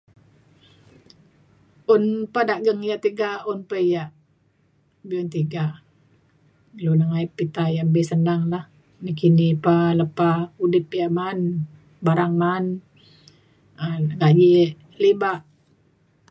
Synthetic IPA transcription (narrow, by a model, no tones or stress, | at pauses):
unpadaʔɡəŋjaʔt̪iɡaunpəjaʔ | biunt̪iɡa | lunəŋaipːit̪ajambesəndaŋlah | nəkinipaləpaudipjaʔman | baɾaŋman | aŋɡaʔɲiʔ | libaʔ